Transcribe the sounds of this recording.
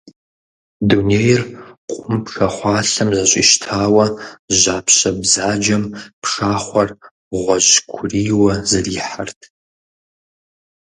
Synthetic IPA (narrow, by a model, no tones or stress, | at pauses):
duneːjrqʷʼʊmpʰxɐχʷɑːɬɐmzɐɕʷʼḭʃtʰaːwɐʒaːpʰɕɐbzaːd͡ʒɐmpʰʂaːχʷɐr | ʁʷɔʑkʷʰʊriːwɐzɨriːħartʰ